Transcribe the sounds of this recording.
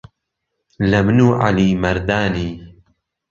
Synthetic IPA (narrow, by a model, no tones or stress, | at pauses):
lɐmnuːʔa̰liːmɐɾd̪aːniː